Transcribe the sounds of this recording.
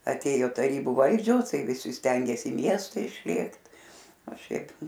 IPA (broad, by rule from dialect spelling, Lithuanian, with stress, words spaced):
ɐˈtʲeːjoː tɐˈrʲiːbuː ˈʋɐlʲd͡ʒʲoːs ˈtɐɪ ʋʲɪˈsʲɪ ˈsʲtʲɛŋʲɡʲeːsʲɪ ɪ ˈmʲiɛstɐ ɪʃʲˈlʲeːkt ɐ ˈʃʲɛɪp